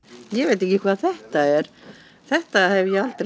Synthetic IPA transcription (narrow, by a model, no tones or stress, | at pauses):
jɛvejt̪̬ehcːɪkʰvaːðθɛht̪aɛɾ̥ | θɛht̪ahɛvjɛalt̪ɾ